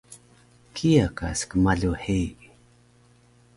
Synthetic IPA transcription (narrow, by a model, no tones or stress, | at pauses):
kʰijaka̰skəmaɮuħej